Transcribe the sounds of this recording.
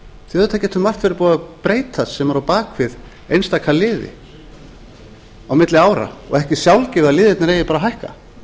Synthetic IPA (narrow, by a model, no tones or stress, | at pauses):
θɪɛðʏt̪ʰacɛt̪ʏmar̥t̪fɪɾɪɾpɔːðapɾeːjt̪ʰasɛmvaɾawpaːkʰvɪð | ḛjnst̪akʰalɪːðɪ̰ | awmɪt̪lɪaːwɾa̰ɔ̰ɣɛhcɪsjawlcɪvalɪːðɪt̪naɾejɪpaːɾaɦajhka̰